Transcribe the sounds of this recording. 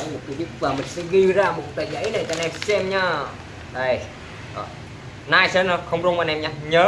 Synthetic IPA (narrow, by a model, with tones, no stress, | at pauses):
mo˨˩t̚ki˨˦ɗḭ˧˨əŋvəː˨˩mï˨˩ŋ̟sɛ̰˧˥ɣi˧zaː˧mo˨˩t̚t̪aː˨˩zə̰˧˥jna˨˩t͡ɕa˧˩nɛ˧˩msɛ˧mɲaː˧˩ | ɗə˧˩j | ɔ̰˨˩ | naː˧jsɛ˧n˧˩xə˧wŋ͡mzu˧˦maː˨˩nɛ˧˩mɲaː˧˩ɲəː˨˦